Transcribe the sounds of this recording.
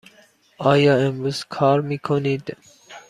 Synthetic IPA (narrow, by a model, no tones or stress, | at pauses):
ɑːjɑːemɾuzkʰɑːɾmiːkʰonid̪